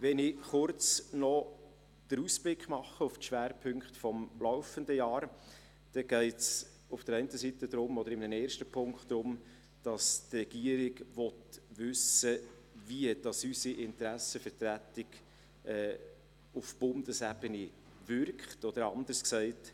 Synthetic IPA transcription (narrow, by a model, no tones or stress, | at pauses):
ʋɛnɪχʊɾt͡snɔ | d̥əɾusb̥lɪkχmɑχːəʊftʃʋæːɾpʰɵŋkχtfɔmlɔʊfəndəjɑːɾ | d̥ɛɡ̥ɛɪts | ʊfd̥əɾɛɪntəsitəd̪ɾʊmɔdəɾɪmnənɛːɾʃtəpʰʊŋkχtːɾʊm | d̥ɑstrɛɡ̥iəɾɪɡvɔtʋʏsə | viəd̥ɑsysiʔɪntɾæsəfəɾtɾætɪɡ | ɛː | ʊfb̥ʊndəsɛbəni | vʏɾkχtɔd̥̪əɾɑ̰nd̪əsksɛɪt